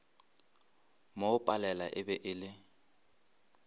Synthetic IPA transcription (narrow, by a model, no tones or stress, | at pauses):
moʊpʼalɛlaʔɪbɛʔɪːlɪ